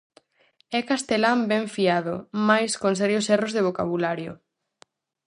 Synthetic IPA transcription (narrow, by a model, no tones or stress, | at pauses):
ɛkast̪elambɛɱfiaðomajskonsɛɾjosɛrozðeβ̞oka̰β̞ulaɾjo̰